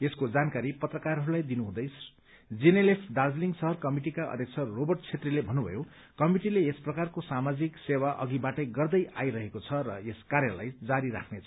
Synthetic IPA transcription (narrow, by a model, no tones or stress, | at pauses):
eskod͡zankaɾipʌt̪rʌkarɦʌɾulajd̪inuɦũd̪ʌjsʰ | d͡zinelesɖard͡zliŋɡsʌɦʌrkʌmiʈikaʌ̰d̪ʱjʌkt͡sʰʌːobʌrʈt͡sʰet̪rilebʱʌnːubʱʌ̰jo | kʌmiʈileesprʌkarkosamad͡ziksewaʔʌ̰ɡibaʈʌjɡʌrd̪ʌjʔa̰jɾʌɦekot͡sʰʌɾʌeskaɾjʌla̰jd͡zaɾiɾa̰kʰnet͡sʰʌ